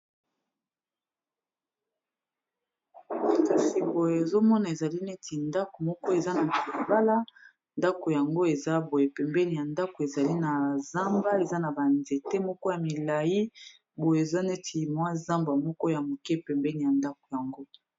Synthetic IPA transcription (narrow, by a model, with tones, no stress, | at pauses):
ka˨si˨bo˨je˨e˨zo˦mɔ˦na˨e˨za˨li˦ne˦tʰi˨nda˦ko˨mɔ˦kɔ˦e˨za˦na˨ku˨ba˦la˦ | nda˦ko˨ja˨ŋɡo˦e˨za˦bo˨je˨pɛ˨mbɛ˦ni˨ja˨nda˦ko˨e˨za˨li˦na˨za˦mba˦e˨za˦na˨ba˨nze˨te˦mɔ˦kɔ˦ja˨mi˨la˨ji˦ | bo˨je˨e˨za˦ne˦tʰi˨mwa˦za˦mba˨mɔ˦kɔ˦ja˨mo˨kɛ˦pɛ˨mbɛ˦ni˨ja˨nda˦ko̥˨ja˨ŋɡo˦